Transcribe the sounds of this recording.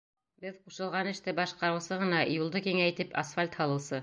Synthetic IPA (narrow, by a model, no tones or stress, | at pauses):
bɘðquʃɤ̆lˠʁɑnɘ̆ʃt̪ɘbɑʃqɑɾɤ̆wsɤʁɤ̆nɑjulˠd̪ɤkiŋæĭt̪ɘpʰɐsfalʲt̪hɑlˠɤ̆wsɤ